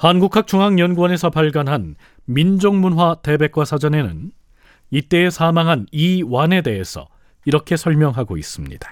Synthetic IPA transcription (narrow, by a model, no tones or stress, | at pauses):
hanɡukʰak̚t͡ɕ͈uŋɦaŋjʌnɡwʌne̞sʰʌpaɭɡanɦan | mind͡ʑoŋmunɦwate̞be̞k̚k͈wasʰad͡ʑʌne̞nɯn | it͈e̞ːsʰamaŋɦaniwane̞de̞ɦesʰʌ̰ | iɾʌkʰe̞sʰʌɭmjʌŋɦaɡo̰is͈ɯmɲḭd̥ḁ